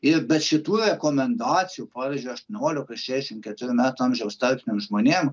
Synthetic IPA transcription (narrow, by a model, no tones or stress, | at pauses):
ɪɾbʲɛt̪ʃʲɪt̪uːɾɛkɔmʲɛnd̪ɑːt͡s̪ʲɪjupɑːʋʲizʲd͡ʒʲuɐʃt̪nʲɛoːlʲʊkɐʃɛʃʲɪmkʲɛt̪ɪɾʲɪmʲæt̪ɐmʒʲɛwst̪ɐlʲpʲnʲɪmʒmɔnʲɪm